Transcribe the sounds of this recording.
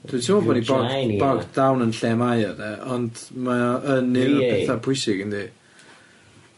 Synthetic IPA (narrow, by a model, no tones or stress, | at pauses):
d̥witʰɪmɔbɔːniɔɡbɔɡdawnənɬɛːmajɔdɛʔɔndmaənɪnpʰɛθapʰʊjsɪɡəndi